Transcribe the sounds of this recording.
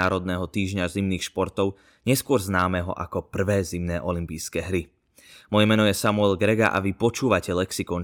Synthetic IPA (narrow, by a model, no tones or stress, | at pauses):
aːɾɔd̪̚nɛːɦɔt̪iːʒɲazimniːxʃpɔɾt̪ɔʊ | ɲɛskʊɔɾznaːmɛɦɔ̰ʔa̰kɔpr̩ʋɛːzimnɛːʔɔlimpiːjskɛːɦɾi | mɔjɛmɛnɔjɛsamuɛlɡɾɛɡa̰ʔa̰ʋipɔt͡ʃuːʋacɛlɛksikɔn